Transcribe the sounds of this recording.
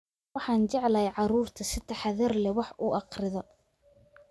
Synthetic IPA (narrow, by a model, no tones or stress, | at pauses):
wɑħɑːnt͡ʃɛʕlɐjʕɑɾuːrt̪ʰɐsɪt̪ʰɐħɑðɛrlɛwɑħʔuʔɑqrɪðɔ